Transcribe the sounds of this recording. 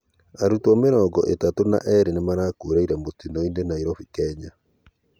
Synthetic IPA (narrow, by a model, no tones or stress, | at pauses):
aɾutwameɾɔːɡɔʔetatona̰ʔɛɾenemaɾaːkuɾaiɾamotinɔinenaiɾɔfikɛɲa